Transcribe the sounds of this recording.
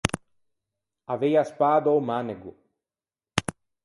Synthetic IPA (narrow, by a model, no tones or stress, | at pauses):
avejaspaːd̪owmaneɡu